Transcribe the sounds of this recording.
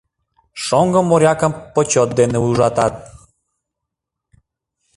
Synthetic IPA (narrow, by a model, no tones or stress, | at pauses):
ʃɔŋɡəmoɾʲjɑkə̆mpot͡ɕoɔt̪̚d̪eneuʒɑt̪ɑt̪̚